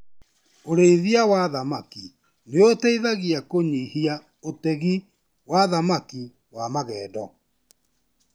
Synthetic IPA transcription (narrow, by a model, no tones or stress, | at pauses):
oɾeiðiawaðamaki | neotɛiðaɣiakoɲihia | otɛɣi | waðamaki | wamaɣɛːdɔ